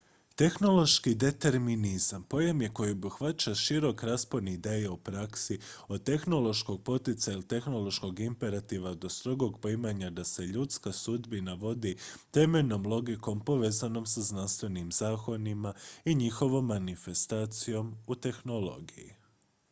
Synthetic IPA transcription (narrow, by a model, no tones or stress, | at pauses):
t̪e̞xno̞lˠo̞ʃkid̪e̞t̪e̞ɾminizampo̞jemje̞kojiobuxʋat͡ʃaʃiɾo̞kɾaspo̞d̪niːd̪e̞ːjaupɾaksiot̪e̞xno̞lo̞ʃko̞ɡ̚po̞t̪it̪sajilit̪e̞xno̞lˠo̞ʃko̞ɡimpe̞ɾat̪iʋad̪o̞st̪ɾo̞ɡo̞ɡpimaɲad̪ase̞ʎut̪skasud̪binaʋo̞d̪it̪e̞me̞ʎno̞mlˠo̞ɡiko̞mpo̞ʋe̞ːzano̞msaznanst̪ʋe̞nimzaːkonimaiɲixo̞ʋo̞mːanife̞st̪aːt̪sijo̞mut̪e̞xno̞lo̞̰ɡiji